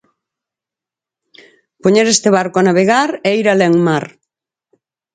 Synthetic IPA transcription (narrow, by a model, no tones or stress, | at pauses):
poɲeɾest̪eβaɾkoanaβ̞eɣaɾeiɾaleŋmaɾ